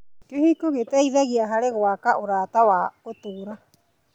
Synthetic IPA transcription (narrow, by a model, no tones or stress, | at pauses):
kehikoɡetajðaɡiaɦaɾeɣoakaʔuɾaːtawaotuɾa